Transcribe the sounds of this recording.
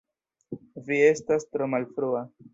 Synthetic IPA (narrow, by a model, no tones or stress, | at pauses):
vie̞stastɾo̞malfɾua